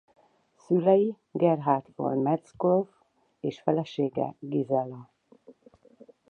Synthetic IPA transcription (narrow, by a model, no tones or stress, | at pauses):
sylɛji | ɡɛrɦaːrt̪fo̰rmɛt̪skolf | eːʃfɛlɛʃeːɡɛ̰ɡizɛlɒ